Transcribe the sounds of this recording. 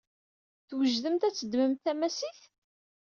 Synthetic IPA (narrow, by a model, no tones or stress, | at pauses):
θwəʒðəmt̪æt͡sːəd̪məmθæmæsiθ